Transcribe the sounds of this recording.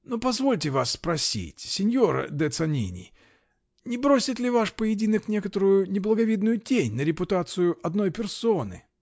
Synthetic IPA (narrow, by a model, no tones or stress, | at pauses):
nopɐzvo̞lʲtʲɪvasːpɾɐsʲḭtʲsʲɪnʲjoɾə̰d̪ɛt̪sɐnʲḭnʲɪ̰ | nʲɪbɾo̞sʲɪt̪lʲɪvaʂpəjɪdʲinəknʲe̞kət̪əɾʊjʊnʲɪblˠəɡɐvʲid̪nʊjʊtʲenʲnəɾʲɪpʊt̪at̪sɨjʊʔɐd̪no̞jpʲɪrsonɨ̰